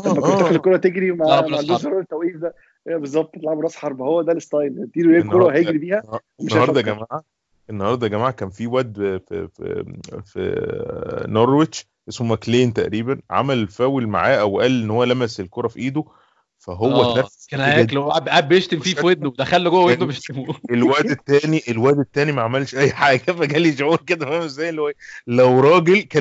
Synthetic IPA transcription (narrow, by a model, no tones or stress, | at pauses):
æmæoæaxekoɾˤɑt̪eɡɾimaʕand̪uzɑɾˤuɾet̪ːæwʔiːfd̪æ | bezˤːɑb̚t̪ˤet̪laʕabɾˤɑsħɑɾˤbhowːæd̪ælest̪ɑjlt̪ːiːɾlenkːoɾˤɑɦæjeɾibiːhæ | meʃːɑhɑɾd̪ˤɑɡæmaːʕa | ʔenːɑhɑɾˤd̪ˤɑɡæmaːʕakæːnfiwæʔd̪̰ | fḭ | noɾˤweʃ | ʔesmomækleːnt̪æʔɾiːbænʕa̰mælfæːwelma̰ʕaːʔæwʔæːlʔenːhowːælæmæselkoɾˤɑfiʔiːd̪o | fæɦowːænækænæːælowʔæbʔæbːeʃt̪emfiːwed̪̚nod̪æxælːoɡowæwed̪nobeʃt̪emuelwæʔd̪et̪ːæːniʔelwæʔd̪et̪ːæːnimæʕamælʃʔæjːħaːɡæfæɡæliʃoʕuːɾked̪æmæmezæjelːwæjlæwɾˤɑːɡelkæː